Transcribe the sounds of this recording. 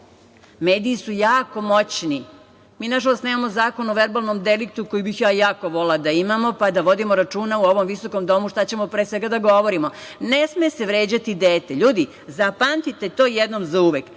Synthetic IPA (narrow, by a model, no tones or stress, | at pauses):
meːd̪iːsujaːko̞mo̞t͡ɕni | miːnaʒalˠost̪neːmamozaːko̞noʋeɾbalˠnomd̪elik̚t̪ukojibixjaːjaːko̞ʋo̞lad̪aimamo̞pad̪aʋo̞d̪imoɾat͡ʃuːnauo̞ʋo̞mʋiso̞komd̪o̞muʃt̪at͡ɕe̞mopɾeːsʋeɡad̪aɡo̞ʋoɾimonesmeseʋɾeːd͡ʑat̪id̪eːt̪eʎuːd̪i | zapant̪it̪et̪o̞ːjed̪nomzauʋek